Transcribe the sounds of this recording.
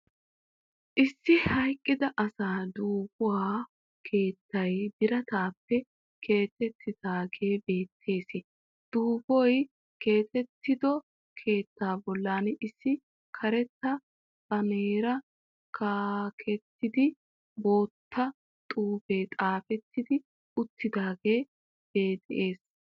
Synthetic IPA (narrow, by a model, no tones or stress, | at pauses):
ʔɪsːɪhɐjkʼːɪd̪ɐʔɐsaːd̪uːbʊwaː | kʰe̞ːt̪ːɐjb̪ɪɾɐt̪aːpːɛ | kʰe̞ːt̪ːɛt̪ʰːɪd̪aːɡe̞ːbe̞ːt̪ʰːe̞ːsɪ | d̪̥uːbɔj | ke̞ːt̪ɛt̪ːɪd̪ɔ | kʰe̞ːt̪ːaːbɔlːaːnʔɪsːɪ | kʰɐɾɛt̪ːɐ | bɐneːɾɐ | kʰaːkʰɛt̪ːɪd̪ɪ | bo̞ːt̪ʰːɐ | t̪ʼuːbe̞ːt̪ʼaːfɛt̪ːɪd̪ɪ | ʊt̪ːɪd̪aːɡeː | b̥e̞ːt̪ʼʔe̞ːs